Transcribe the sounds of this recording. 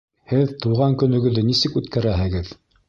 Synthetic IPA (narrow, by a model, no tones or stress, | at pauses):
hɘðt̪ɤʁɑŋkɵ̆nɵ̆ɡɵ̆ðːɘnisɘkʉt̪kæɾæɦɘ̆ɡɘð